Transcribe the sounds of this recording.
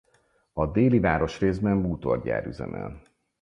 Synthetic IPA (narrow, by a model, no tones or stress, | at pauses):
ɒd̪eːlivaːɾo̞ʃreːzbɛmːuːt̪o̞̰rɟa̰ːɾyzɛ̰mʔɛ̰l